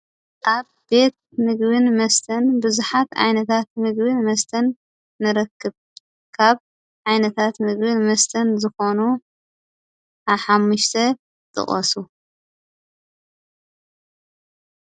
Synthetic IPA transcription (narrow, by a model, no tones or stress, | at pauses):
ʔaβ | be̞t̪̚mɨɡbɨnmɐst̪ʰɐnbɨzuħat̪ʕa̰jnɐt̪ʰat̪̚mɨɡbɨnmɐst̪ʰɐnː | ɨɾɐkʰːɨβ | kʰaβ | ʕajnɐt̪ʰat̪mɨɡbɨnmɐst̪ʰɐnzɨxonu | ʔaβħamːuʃt̪ʰɐ | t̪ʼɨ̰χʼɐ̰su